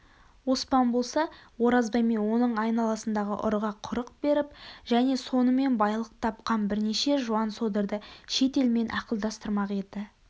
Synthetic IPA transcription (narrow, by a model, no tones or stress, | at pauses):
wo̞spɑnbo̞lˠsɑwo̞ɾɑzbɑjmewo̞nəɴɑjnɑlˠɑsənd̪ɑʁə̰ʔʊ̰ɾʁɑqʰʊɾəq̚be̞ɾɪp̚ʒæne̞so̞nəme̞nbɑjlˠəq̚t̪ʰɑp̚qɑnbɪɾneʃe̞ʒuɑnso̞d̪əɾd̪əʃe̞t̪e̞lme̞nʔɑqəlˠd̪ɑst̪əɾmɑqe̞d̪ɪ